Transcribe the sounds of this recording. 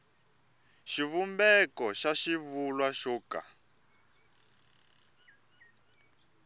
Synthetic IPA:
ʃiβumbɛkɔʃaʃivulwaʃɔːka̰

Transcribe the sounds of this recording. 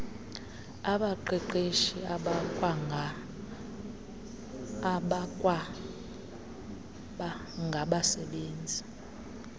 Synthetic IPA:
aɓaǃɛǃeʃiaɓakʼwa | ɓakʼwa | ɓa | ŋɡʱaɓasɛɓeːnd͡zʱi

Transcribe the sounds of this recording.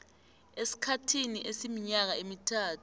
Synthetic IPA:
esi̥kʰatʰiniʔesimiɲak̬aemitʰaːtʰu̥

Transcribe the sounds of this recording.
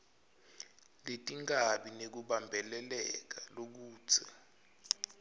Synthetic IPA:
letʼiŋaɓinek̬uɓambʱɛlɛlɛk̬alok̬u̥ːz̥ʰʱɛ

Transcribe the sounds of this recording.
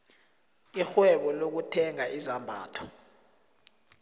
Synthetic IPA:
ixwɛɓɔlok̬utʰɛŋaizambʱa̰ːtʰɔ̥

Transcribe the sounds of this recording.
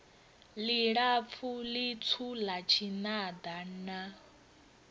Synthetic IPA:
liɺap̪fʰulit͡sʰulat͡ʃʰinad̪ana

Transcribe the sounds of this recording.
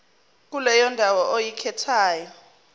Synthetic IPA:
k̬ʼulɛjɔndʱawɔʔojikʰɛtʰaːjɔ

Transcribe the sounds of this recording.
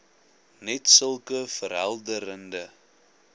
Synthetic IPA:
nɛtsəlˠkəfəɾɦælˠdəɾəndə

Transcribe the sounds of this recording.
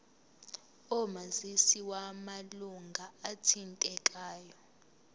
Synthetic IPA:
ɔmazisiwamaluŋɡʱaːtʰintʼɛkʼaːjɔ

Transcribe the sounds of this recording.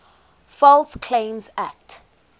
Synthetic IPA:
fɔlskʰlẽɪ̃mzak̚t

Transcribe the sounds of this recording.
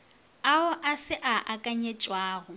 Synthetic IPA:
aʊʔasɪʔaʔakʼaɲet͡ʃʼwaːɣʊ

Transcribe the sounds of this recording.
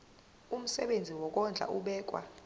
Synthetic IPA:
um̩sɛɓend͡zʱiwɔk̬ʼɔnd͡ɮʱa̰ʔuɓɛːk̬ʼwa̰

